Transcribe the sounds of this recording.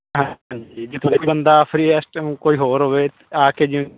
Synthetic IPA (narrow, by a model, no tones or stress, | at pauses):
ɦãːɲd͡ʒiːd͡ʒɪt̪ʰod̪eiːbənd̪aːpʰɾiːɛːsʈũːkoːiːɦoːɾɦoːʋeːt̪ | aːkeːd͡ʒĩ